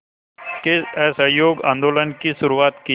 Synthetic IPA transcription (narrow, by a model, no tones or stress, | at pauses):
keɛsəɦjoːɡã̰ːnd̪oːlənkiʃʊɾuʋaːt̪ki